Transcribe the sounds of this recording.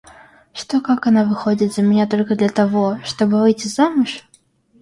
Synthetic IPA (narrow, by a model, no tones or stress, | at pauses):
ʂt̪okakanavɨxod͡zʲɪt̪zʲɐmʲɪnʲat̪olʲkəd̪lʲɐt̪avoʂt̪obɨvɨjt͡sʲizːamɨʂ